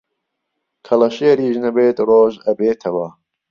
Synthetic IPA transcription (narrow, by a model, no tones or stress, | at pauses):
kʰɐlɐʃeːɾiːʒnɐbeːt̪roːʒɐbeːt̪ʰɐwɐ